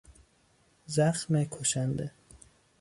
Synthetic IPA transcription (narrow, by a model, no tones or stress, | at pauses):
zæxmekʰoʃænd̪ḛ